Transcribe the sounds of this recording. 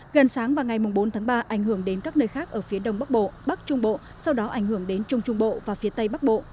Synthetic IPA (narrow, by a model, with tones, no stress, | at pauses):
ɣə˨˩nsaː˨˦ŋvaː˨˩ŋa˨˩jmʊ˨˩ŋ͡mɓo˨˦nt̪ʰaː˨˦ŋɓaː˧ʔa˧˩jŋ̟hɨ˧˩əŋɗe˨˦nkaː˦˥k̚nəː˧jxaː˦˥k̚ʔəː˧˩fi˨˦əɗə˧wŋ͡mɓə˦˥k̚ɓo̰˧˨ɓə˦˥k̚t͡ɕʊ˧ŋ͡mɓo̰˧˨ | sa˧wɗɔ˨˦ʔa˧˩jŋ̟hɨ˧˩əŋɗe˨˦nt͡ɕʊ˧ŋ͡mt͡ɕʊ˧ŋ͡mɓo̰˧˨vaː˨˩fi˨˦t̪ə˧jɓa˦˥k̚ɓo̰˧˨